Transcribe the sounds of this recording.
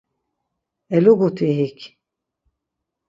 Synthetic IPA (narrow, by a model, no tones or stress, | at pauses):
ɛluɡut̪ʰiɦikʰ